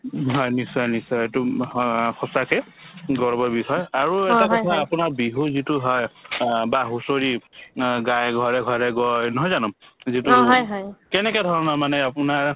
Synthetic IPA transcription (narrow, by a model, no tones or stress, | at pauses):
ɦɔjnisɔjnisɔjetu | xɔsakɛ | ɡɔɹbɔɹbixɔjaɹuɛtaɔtʰaapʊnaɹbiɦuzituɦɔjbaɦusoɹi | ɡajɡʱɔɹɛɡʱɔɹɛɡɔɹnɔɦɔjzanʊmzitujɦɔjkɛnɛkɔdʱɔɹɔnɔɹmanɛapʊnaɹ